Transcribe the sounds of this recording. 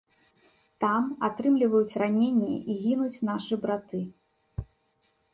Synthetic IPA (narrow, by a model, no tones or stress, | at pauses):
t̪amat̪ɾɨmlʲivɐjut͡sʲranʲenʲːɛ̰ʔiɣʲinut͡sʲnaʂɨbɾat̪ɨ